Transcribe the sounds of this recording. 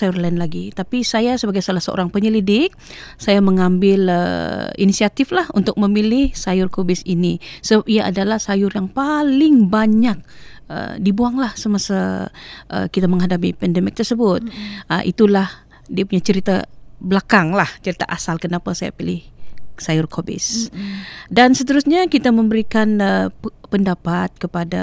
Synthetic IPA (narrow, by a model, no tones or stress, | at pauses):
sajʊrlaɪnlaɡit̪apisajasəbaɡajsolahsəʔo̰ɾaŋpəɲəlidɪk̚ | sajaməŋambɪlə̰ḭnisiat̪ɪflahunt̪ʊk̚məmilɪhsajʊrkobɪsinisəbap̚iaʔa̰dalahsajʊrjaŋpalɪŋbaɲak̚ | ə̰dibuaŋlahsəmasaʔə̰kit̪aməŋɦadap̬ipɛndɛmɪk̚t̪ərsəbʊt̪̚ə̰ʔḭt̪ulah | diapuɲat͡ʃəɾit̪a̰bəlakaŋlaht͡ʃəɾit̪a̰ʔasalkənapasaja̰pilɪhsajʊrkʰobɪ̰s | dansət̪əɾusɲakit̪aməmbəɾikanəpəndapat̪̚kəpada